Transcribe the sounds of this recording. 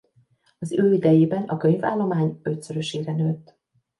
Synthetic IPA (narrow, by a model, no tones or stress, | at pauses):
ɒzøːid̪ɛjeːbɛnɒkø̞ɲva̰ːlːo̞maːɲø̞t̪søɾøʃeːɾɛnøːt̪ː